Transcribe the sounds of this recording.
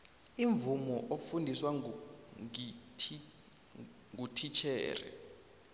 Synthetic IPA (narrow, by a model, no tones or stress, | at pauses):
iɱvumɔʔofundʱiswa | ŋutʰit͡ʃʰɛ̰ːrɛ̰